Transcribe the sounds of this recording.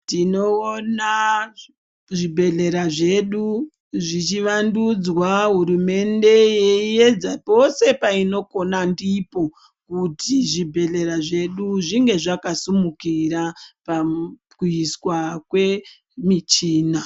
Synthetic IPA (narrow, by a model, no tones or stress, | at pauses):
tino̞ona | ʐibʱe̞ɮe̞ɾaʐe̞ɗu | ʐit͡ʃiʋandud͡zwaɦuɾume̞nde̞jeie̞d͡zapo̞se̞paino̞ko̞nandipo̞ | kutʰiʐibʱe̞ɮe̞ɾaʐe̞ɗuʐiŋɡe̞ʐakasumukiɾapa | kuiswakwe̞ | mit͡ʃiːna